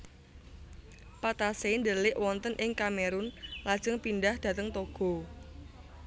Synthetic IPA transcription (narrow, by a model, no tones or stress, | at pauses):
pat̪asend̪əlɪʔwɔnt̪ənʔɪŋkameɾʊnlad̥ʒ̥əŋpindahd̪̥ä̤t̪əŋt̪oɡ̥ɔ̤